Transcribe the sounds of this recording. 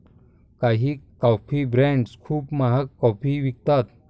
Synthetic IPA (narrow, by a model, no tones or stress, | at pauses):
kaɦikapʰibɾeɳɖskʰuːbmɐɦɐkːɔpʰiʋik̚t̪at̪